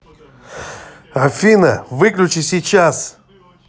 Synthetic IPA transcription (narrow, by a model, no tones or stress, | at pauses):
afʲinɐvɨklʲut͡ʃisʲit͡ʃas